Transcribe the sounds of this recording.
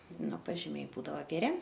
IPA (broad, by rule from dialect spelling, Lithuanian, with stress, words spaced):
ˈnʊ pɐʒʲɪˈmʲɛɪ ˈbuːdɐʋoː ɡʲɛˈrʲɪ